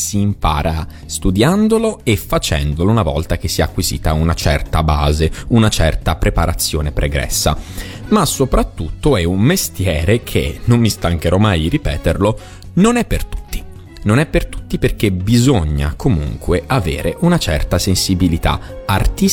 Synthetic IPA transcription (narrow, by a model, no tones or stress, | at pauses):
siːmpa̰ːɾʔa | st̪ud̪jand̪oloefːat͡ʃɛ̰nd̪olounavɔ̰lt̪ak̟esːiakːwizḭːt̪aunat͡ʃɛrt̪abaːzeunat͡ʃɛrt̪apɾepaɾat̪sːjoːnepɾʔeɡɾɛ̰sːa̰ | masːopɾat̪ːut̪ːoɛummest̪jɛːɾekʰḛnomːist̪aŋkeɾɔmaj̪iripɛːt̪erlo | nonɛpːert̪u̥t̪ːi̥ | nonɛpːert̪u̥t̪ːiperk̟ebizoɲːa̰komṵŋkweʔavḛːɾeʔunat͡ʃɛrt̪asensibilit̪a̰ | art̪i